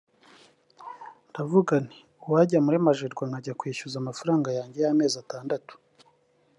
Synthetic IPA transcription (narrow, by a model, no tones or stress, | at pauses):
ndavuɡani̥ | uwaɟamuɾimaʒeɾɡwaŋɡaɟakweːʃuzamafaɾaːŋɡajaːɲɟejame̞ːzataːndatu̥